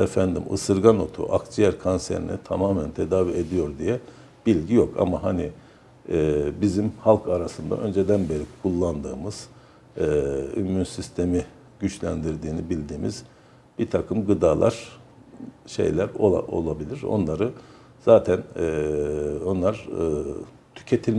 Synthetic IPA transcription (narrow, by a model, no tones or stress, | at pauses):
efænd̪imɯ̰sɯɾɡano̞̰t̪ʰṵʔa̰kd͡ʒijæɾkʰonsḛɾḭnḭt̪ʰamaːmænt̪ʰe̞d̪aːvied̪ijo̞ɾd̪ijɛ | b̥ilʲɟijo̞ka̰maɦani | bizimhalˠkʰaɾasɯnd̪a̰ʔø̞nd͡ʒe̞d̪ænbe̞ɾikʰulˠːand̪ɯːmɯz̥ː | ymynsist̪ʰe̞mi | ɟyt͡ʃlʲænd̪iɾd̪iːnibilʲd̪iːmiz̥ | b̥it̪ʰakʰɯmɡɯd̪aːlˠʔa̰ɾ̥ | ʃe̞̰jlʲæɾolˠa̰ʔo̞̰lˠabilʲiɾo̞̰nlˠaɾɯ | z̥aːt̪ʰænː | o̞nlˠaɾ | t̪ʰy̥cʰet̪ʰilʲ